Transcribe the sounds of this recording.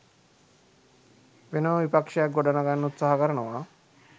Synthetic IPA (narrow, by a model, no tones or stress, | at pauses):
ʋenəʋipakʂajak̚ɡoɖanaɡanːut̪saɦakəɾənəʋaː